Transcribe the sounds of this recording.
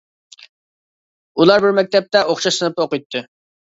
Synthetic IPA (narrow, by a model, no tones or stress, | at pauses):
ulˠɑɾbɪɾmɛk̚ʲt̪ʰɛp̚t̪ɛʔoχʃɑsɨnɨp̚oqɨjt̪ʰːɨ